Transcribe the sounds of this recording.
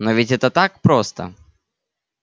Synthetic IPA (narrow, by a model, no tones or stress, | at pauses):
novʲɪtʲɛt̪ət̪ak̚pɾost̪ə̰